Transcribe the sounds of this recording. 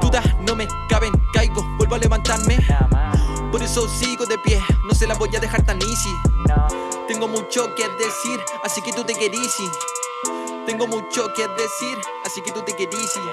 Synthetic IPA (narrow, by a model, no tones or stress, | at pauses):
t̪ud̪ahnome | kaβeŋkajkobwelboaleβant̪aɾme | poɾesosikoðepjehnos̬elaboʝaðexaɾt̪anisi | t̪eŋɡomut͡ʃoked̪esiɾ | asiket̪ut̪ekeɾisi | t̪eŋɡomut͡ʃoked̪esiɾ | asiket̪ut̪ekeɾisi